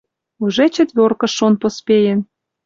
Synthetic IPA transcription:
uʒet͡ɕə̆t̪βʲorkɤ̆ʃːonpospʲejĕn

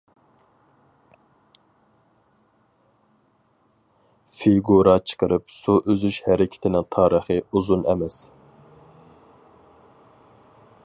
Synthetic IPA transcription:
fiɡuɾɑt͡ʃʰə̥qʰəɾɨpsuʔøzyʃhɛɾɪkʲʰi̥t̪ʰɪnɪŋt̪ʰɑːɾəχɨuzunɛ̰mɛs

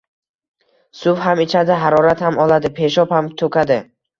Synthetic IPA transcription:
sʊfhamɪt͡ʃʰad̪ɪɦaɾɒɾat̪hamɒlˠad̪ɪpʰe̞ʃɒphamt̪ʰɵkʲad̪ɪ

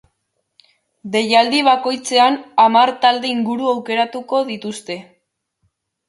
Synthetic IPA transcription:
d̪e̞jald̪iβ̞ako̞jt͡se̞anamaɾt̪ald̪e̞iŋɡuɾuawke̞ɾat̪uko̞ðit̪ust̪e̞

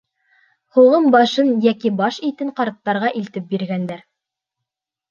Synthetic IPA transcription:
huʁɤmbɑʃɤnjækibɑʃit̪ɘɴqɑɾt̪ːɑɾʁɑʔilt̪ɘp̚biɾɡænd̪æɾ

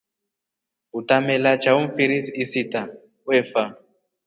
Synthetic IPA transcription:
utamɛlat͡ʃauɱ̩fiɾisisita | wɛfa

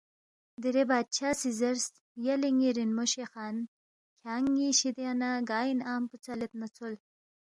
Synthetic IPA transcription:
d̪iɾebɑːd̪̚t͡ʃʰaːsizaɾs | jaliŋiɾinmoʃexɑːn | kʲʰaːŋiʃid̪eanaɡɑːjinaːmput͡salet̪nat͡sol

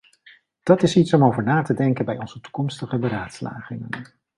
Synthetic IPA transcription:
d̥ɑtɪsitsɔmowvəɹnaːtədɛŋkənbɛjɔnzətu̥kɔmstəχəbəɾaːtsla̰ːχɪŋən

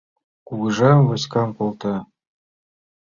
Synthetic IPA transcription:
kuɣɤ̆ʒɑmvɤ̆skɑmpolˠt̪ɑ

